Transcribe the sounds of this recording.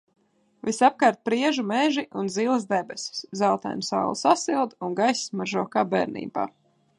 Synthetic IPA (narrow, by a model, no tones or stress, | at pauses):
visap̚kaːɾt̪̚pɾiɛʒumɛʒiʔunziːlˠɨzd̪ɛbɛsʲu̥szawt̪a̰jmsa̰wl̰ˠsasilˠd̪unɡajsʲsmaɾʒɔɔkaːbɛ̰ːɾnḭːba̰ː